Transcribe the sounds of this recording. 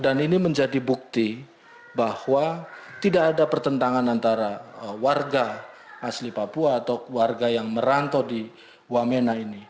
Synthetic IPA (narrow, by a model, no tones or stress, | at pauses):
daniniməɲd͡ʒadibuk̚t̪i | bahwat̪idakːdapərt̪ənt̪aŋanant̪aɾawarɡa | aslipapuaːt̪awarɡajaŋməɾant̪ɔdi | wamenaini